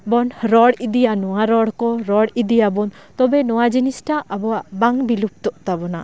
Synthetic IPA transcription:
bɔnɾɔɽid̪ijanɔwaɾɔɽkɔɾɔɽid̪ijabɔn | t̪ɔbɛnɔwad͡ʒinisʈaʔabɔwaʔbaŋbilup̚t̪ɔʔt̪abɔna̰

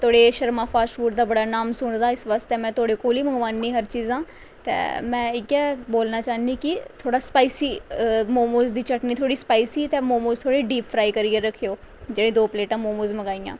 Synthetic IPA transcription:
t̪ʰoːɽeːʃəɾmãːpʰaːʃuːʈd̪aːbəɽaːnaːmsʊɳd̪aːɪsʋaːst̪eːmɛ̃ːt̪ʰoːɽeːkoːliːməŋɡʋaːnːiːɦəɾt͡ʃiːzãː | t̪ḛːmɛ̰̃ːɪkɛːboːlnaːt͡ʃaːnd̪iːkɪt̪ʰoːɽaːspaːiːsiːmoːmoːzd̪iːt͡ʃəʈniːt̪ʰoːɽiːspaːiːsiːt̪eːmoːmoːzt̪ʰoːɽiːɖiːpʰfɾaːiːkəɾiːəɾəkʰːejoː | d͡ʒeːɽẽːd̪oːpleːʈãːmoːmoːzməɡaːijã̰ː

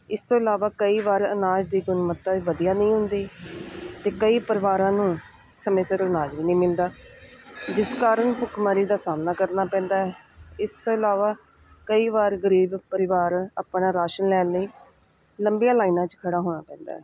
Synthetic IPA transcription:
ɪst̪õːɪlaːʋaːkəiːʋaːɾənaːd͡ʒd̪iːɡʊnmət̪ːaːiːʋəd̪ijaːnəĩːɦʊ̃nd̪iː | t̪eːkəiːpəɾɪʋaːɾãːnũː | səmeːsəɾənaːd͡ʒʋiːnĩːmɪld̪aː | d͡ʒɪskaːɾəɳpʊkʰmaːɾiːd̪aːsaːmnaːkəɾnaːpɛ̃ːnd̪aːɛːɪst̪õːɪlaːʋaː | kəiːʋaːɾɡəɾiːbpəɾɪʋaːɾaːpnaːɾaːʃənlɛːləiː | ləmbijaːlaːinãːt͡ʃkʰəɽaːɦoːɽ̃aːpɛ̃ːnd̪a̰ːɦɛː

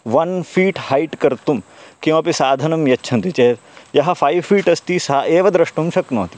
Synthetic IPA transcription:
ʋɐnfʰiːʈhɐjʈkɐɾt̪umkiw̃ɐpisaːd̪ʱɐnɐmjɐtːʃʰɐ̃nt̪it͡ʃeːt̪jɐɦɐ̆pʰɐjʋfiːʈɐst̪isaeːʋɐd̪ɾɐʂʈumʃɐknoːt̪i̥

